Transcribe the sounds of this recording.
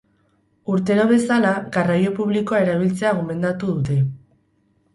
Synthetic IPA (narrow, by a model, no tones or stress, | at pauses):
uɾt̪e̞ɾo̞βe̞salaɣarajo̞puβ̞liko̞ae̞ɾaβ̞ilt͡se̞aɣ̞o̞me̞nd̪at̪uðut̪e̞